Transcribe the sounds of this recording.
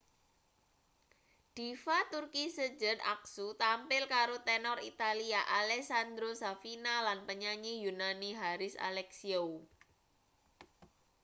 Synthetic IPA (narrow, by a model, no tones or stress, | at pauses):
d̥i̤fat̪urkisəd͡ʒəd̪a̰ksut̪ampɪlkaɾot̪ɛnɔrit̪aliaʔalɛsand̪ɾosafinalanpəɲaɲijunaniɦaɾɪsa̰lɛksiou